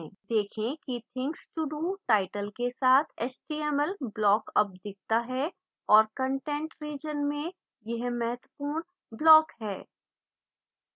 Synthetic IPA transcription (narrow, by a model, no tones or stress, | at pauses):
d̪eːkʰẽkit̪ʰɪ̃ŋksʈuɖuʈaːɪʈəlkesaːt̪ʰɛːsʈiːɛməlblɔːkɐp̚d̪ɪk̚t̪aɦɛ | ɔːɾkə̃ɳʈẽɳʈɾiːd͡ʒənmẽ | jɐɦmɛɦət̪wəpuːɾ | blɔːkɦɛː